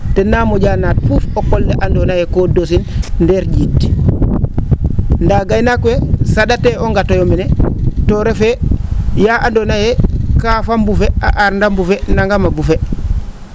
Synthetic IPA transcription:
tenːamoɟanaːt̚fufokolːeʔandonajekodosinndeɾɟit | ndaɡajnakuwesadateoŋɡatojominetoɾefejaʔandonajekafambufea̰ʔaɾndambufenaŋɡamabufe

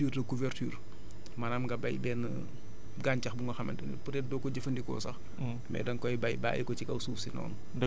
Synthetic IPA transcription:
irtɐkuvɛrtyːr | manamɡɐbɐjbɛːn | ɡaːncɐxbuŋɡɔxɐmɐ̰ndɐnḭpuɾɛdɔːkɔɟɐfɐndikɔ̰ːsɐx | mɛ̰dɐŋkɔjbɐjba̰ːjikɔt͡ʃikɐwsuːfsinɔ̰ːn

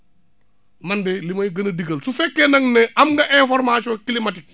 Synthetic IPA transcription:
mɐndɛlimɐjɡɐnɐdiɡɐlsufɛkːɛnɐŋnɛʔɐmɡɐʔɛ̃fɔɾmasɔkilimatik̚

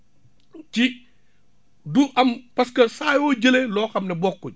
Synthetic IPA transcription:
ci | duʔɐmpɐskɐsaːjɔːɟəlelɔːxɐmnɛbɔkːuɲ

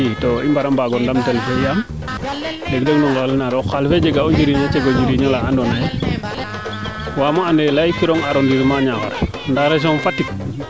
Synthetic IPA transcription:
itoimbaɾambaɡɔndamtelfejaŋ | deɡdeɡnɔŋɡalnaɾɔkalfed͡ʒeɡaoɲd͡ʒiɾiɲat͡ʃeɡoɲd͡ʒiɾiɲalaʔandɔnaj | wamoandelajkiɾɔŋaɾondiɾmaɲaka̰ɾ | ndaɾes̬ɔnfatːik

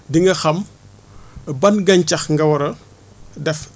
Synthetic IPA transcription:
diŋɡɐxɐm | bɐnɡɐɲcɐxŋɡɐwɐɾɐ | dɛf

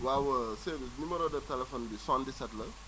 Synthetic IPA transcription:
wawɐsenumɛɾoːdɐtɛlɛfonbisɔ̃ndisɛtlɐ

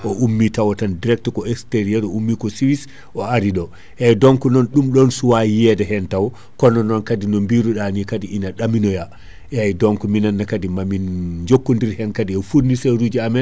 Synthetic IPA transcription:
ʔɔʔumːitawɔtandiɾɛk̚tkɔɛksteɾiɛɾɔumːikɔsiwis | ʔɔaɾiɗɔ | hɛjdɔŋkunɔnɗumɗɔnsuwajɛdɛɦɛntaw | kɔnɔnːɔnkadinɔmbiɾuɗanikadiʔinaɗaminɔja | ajdɔŋkuminanːakadimamind͡ʒokːundiɾhɛnkadiɛfuniseɾuːd͡ʒiamɛn

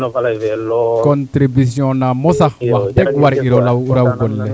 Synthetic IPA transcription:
kkɔ̃nt̪ɾibisjɔ̃namɔsawatɛkwaɾiɾɔlawuɾawɡɔlːɛ

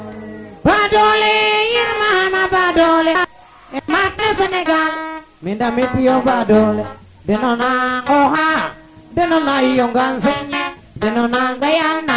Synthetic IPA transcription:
badɔlejinmahamabadɔle | emat̚neseneɡal | mindametiobadɔle | denɔnaŋoɦa | denɔnaijoŋɡan̩seɲi | denɔnaŋɡajalna

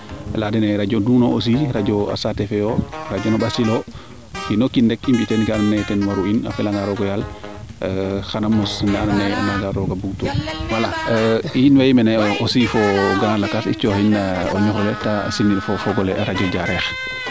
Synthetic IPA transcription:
ladɛnɛɾad͡ʒɔdunɔos̬iɾad͡ʒɔa̰satɛfɛjɔɾad͡ʒɔnɔɓasilɔ | finɔkindɛkimbitɛnkanmnɛtɛnwaɾuina̰fɛlaŋɡaɾɔɡɔjal | xanamːɔsinananɛ̰naŋɡaɾɔɡabuɡtuwalajinwajimɛnɛɔosifɔɡaɾlakasit͡ʃɔhinːaɔ̰ɲuxɾɔlɛta̰sinːiɗfɔfɔɡɔlɛʔaɾad͡ʒɔd͡ʒaɾɛx

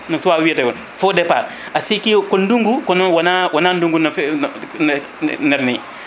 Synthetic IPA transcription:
nɔktuwawidewɔn | fodɛpa̰ɾ | asikikonduŋɡukɔnɔwanawananduŋɡunf | nɛɾnḭ

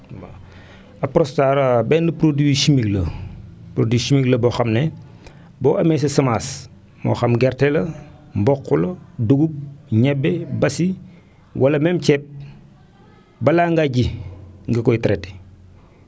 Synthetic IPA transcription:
ba | ɐpɾɔstaɾɐbɛːndɐpɾodiiʃimiklɐpɾodisimiklɐbɔxɐmnɛ | bɔːʔɐmɛːs̬ɐsɐmaːs | mɔ̰ːxɐmɡɛɾtɛlɐmbɔkːulɐduɡup̚ɲɛbːɛbɐsi | wɐlɐmɛmcɛp̚ | bɐlaːŋɡaɟiŋɡɐkɔjtɐɾɛtɛ̥

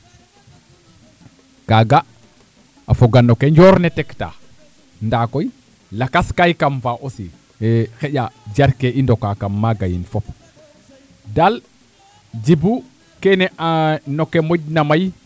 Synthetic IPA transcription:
kaɡa | afoɡanokeɲd͡ʒoɾnetɛkta̰ | ndakoj | lakaskajkamfaʔosi | xeʄad͡ʒaɾkeindokakamːaɡajḭnfop | dal | d͡ʒibu | kenɛʔanokːemoɟnamaj

